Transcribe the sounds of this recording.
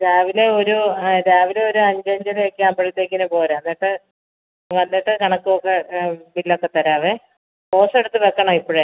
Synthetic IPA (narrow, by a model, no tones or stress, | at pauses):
ɾaːʋile̞o̞ɾuɾaːʋileo̞ɾuɐɲd͡ʑɐɲd͡ʑɐlekʲːɨambɐɽit̪ːeːk̬ʲːinɐpo̞ːleɐnːiːʈːɨ | ʋɐnːiʈːɨkɐɳɐkːuokːebilːɐokːet̪ːɐɾaːʋe | po̞ːse̞ɽut̪ːɨbekːɐɳɐmipːoɻe